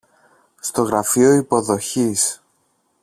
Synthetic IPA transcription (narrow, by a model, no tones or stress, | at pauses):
st̪o̞ɣɾɐfio̞ipo̞ðo̞çis